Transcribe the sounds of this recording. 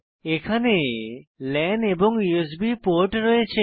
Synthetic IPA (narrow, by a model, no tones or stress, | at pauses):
ekʰane | lɛnɖeboŋjues̬bipoɾʈɾɔet͡ɕʰe